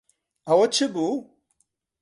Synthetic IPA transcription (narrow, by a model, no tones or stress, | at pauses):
ɐwot͡ɕʰibu